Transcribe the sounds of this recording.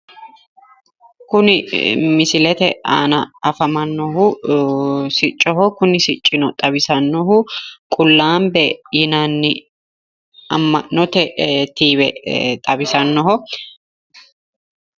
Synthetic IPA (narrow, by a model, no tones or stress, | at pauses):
kʊnɪmɪsɪlɛt̪ɛa̰ːnɐɐfɐmɐnːɔɦʊ | sɪt͡ʃʼːɔɦɔkʊnɪsɪt͡ʃʼːɪnɔt̪ʼɐbɪsɐnːɔɦʊkʼʊlːaːmbɛjɪnanːɪ | ɐmːɐnːɔt̪ɛt̪iːβɛt̪ʼɐbɪsɐnːɔɦɔ